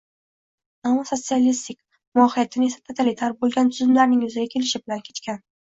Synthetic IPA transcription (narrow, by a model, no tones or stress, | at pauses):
amːɒso̞t̪sialist̪ɪkʲ | mʊɒhijat̪ʰːɪne̞sḁt̪ʰot̪ʰalɪt̪ʰaɾbolˠɡʲant̪ʰʊzɪmlaɾnɪŋjʊzɪɡʲakʲʰe̞lɪʃɪbɪlankʲʰe̞̥t̪kʲan